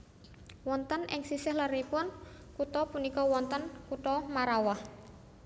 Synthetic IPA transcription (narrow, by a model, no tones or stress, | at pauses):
wɔnt̪ənʔɪ̰ŋsisɪhləɾipʊn | kut̪ɔpunikɔwɔnt̪ənkut̪ɔmaɾawah